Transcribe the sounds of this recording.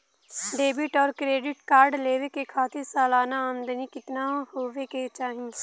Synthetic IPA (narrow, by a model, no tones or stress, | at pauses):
ɖeːbɪʈɔːɾkɾeːɖɪʈkaːɾɖleːʋekekʰaːt̪ʰɪɾsaːlaːnaaːnd̪ənikɪt̪nahoːʋeket͡ʃaːɦĩ